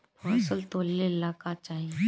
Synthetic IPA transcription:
oɐsəlt̪oːlːelaːkat͡ʃaːɦi

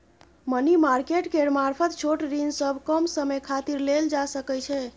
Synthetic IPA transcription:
mənimaɾkeʈkeɾmaɾpʰət̪t͡ʃʰoʈɾinsəbʱkəmsəməjkʰat̪iɾleld͡ʒasəkɛt͡ʃʰɛ

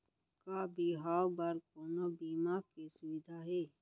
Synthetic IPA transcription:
kaːbiːɦaːwbəɾkoːnobiːmaːɾkesʊʋɪd̪ʱaɦeː

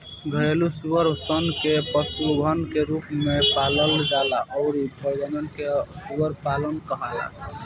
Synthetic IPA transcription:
ɡʱəelusuwəɾsənkepəsuɡʱənkeɾupmepaləld͡ʒalaʔɔɾidʱɔd͡ʒənənkesuəɾpalənkəɦala̰

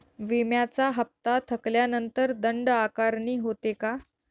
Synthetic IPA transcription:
ʋimjat͡saɦəp̚t̪at̪ʰəkljanənt̪əɾd̪əɳɖakaɾɳiːɦot̪eka

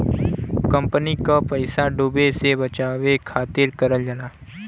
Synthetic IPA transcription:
kə̃mpənikapəɪsaɖubesebət͡ʃaːʋekʰaːt̪ɪɾkəɾəld͡ʒanaː

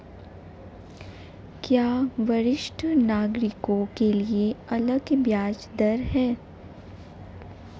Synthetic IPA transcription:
kjaːʋɐɾɪʃʈʰənaːɡɾɪkõkelieɐləɡbjaːd͡ʒd̪əɾɦɛː

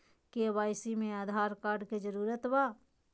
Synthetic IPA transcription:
kewaːjsimẽaːd̪ʱaːɾkaːɾɖked͡ʒəɾuːɾət̪waː

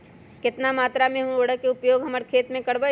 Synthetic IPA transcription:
kɪt̪namaːt̪ɾamẽɦoːɽəkeʊpjoːɡɦɐməɾkʰeːt̪mẽkɐɽbə

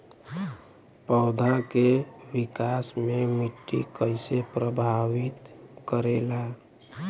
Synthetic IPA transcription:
pəʊd̪ʱakeʋɪkasmemɪʈːḭkəɪsepɾəbʱawit̪kəɾela

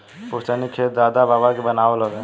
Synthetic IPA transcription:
poɦt͡ʃanikʰet̪̚d̪ad̪ababakebənaeləɡɛ

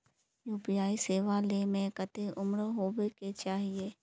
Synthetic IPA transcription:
juːpɪjaːiseːʋalemẽkət̪eʔʊmɾɦoːweket͡ʃaːɦieː

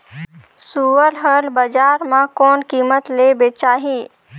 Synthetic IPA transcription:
suəɾlɦəlbəd͡ʒaːɾmãkɔːnkiːmət̪lebet͡ʃaːɦi

